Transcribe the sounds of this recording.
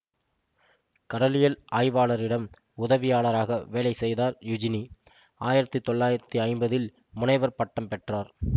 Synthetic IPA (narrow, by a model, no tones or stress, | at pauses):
kɐɽɐlɪjɐlaːjʋaːɭɐɾɪɽɐm | ʊðɐʋɪjaːɭɐɾaːɣɐʋeːɭɐɪsɛjðaːɾjʊd͡ʒɪni | aːjɪɾɐt̪ːɯt̪ːɔɭːaːjɪɾɐt̪ːɯɐɪmbɐðɪl | mʊnɐɪʋɐɾpɐʈːɐmpɛʈraːɾ